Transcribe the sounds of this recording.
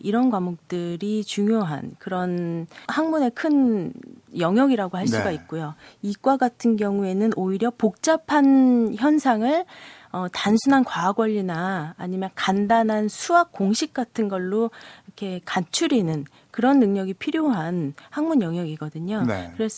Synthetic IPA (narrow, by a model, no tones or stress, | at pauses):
iɾʌnkwamok̚t͈ɯɾit͡ɕuŋjoɦa̰nkɯɾʌnhaŋmune̞kʰɯn | jʌŋjʌɡiɾaɡohaɭs͈uɡaik̚k͈ojoik͈waɡatʰɯnɡjʌŋue̞nɯnʔoiɾjʌpok̚t͡ɕ͈apʰançjʌnsʰaŋɯɭ | ʌtansʰunankwaɡwʌʎːinaːɲimjʌnkandanɦansʰuak̚k͈oŋɕʰik̚k͈atʰɯnɡʌɭːoikʰe̞kant͡ɕʰuɾinɯn | kɯɾʌnːɯŋɲʌɡipʰiɾjoɦanhaŋmunjʌŋjʌɡiɡʌdɯɲokɯɾe̞sʰ